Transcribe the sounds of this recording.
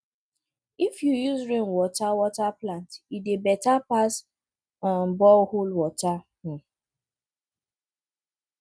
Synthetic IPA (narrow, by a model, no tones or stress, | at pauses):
ifjujuzɹenwɔtawɔtaplantidebɛtapas | ɔn̩bɔholwɔta | h̩